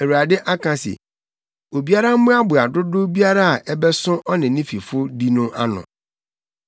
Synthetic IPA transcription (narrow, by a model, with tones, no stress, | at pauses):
ɛ˨wu˨a˨dɪ˦ʔa˦kʰã˨sɛ̰˨ | o˨bi˦a˦ɾa˦m̩˦mʊ̃˦a˦bʊ˨a˨dʊ˦dʊ˦bi˦a˦ɾa˦a˨ʔɛ˦bɛ˦sʊ̃˦ʔɔ˦nɪ̃˨nɪ̃˦fi˨fʊ˦di˦nʊ̃˦ʔa˦nʊ̰̃˨